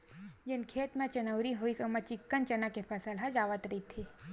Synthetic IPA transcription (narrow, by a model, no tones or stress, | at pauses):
d͡ʒɪnkʰeːt̪mẽt͡ʃɐnəʊɾiɦoisomɐ̃t͡ʃɪkːənt͡ʃɐnakepʰɐsəlɦãd͡ʒaːʋət̪ɾit̪ʰi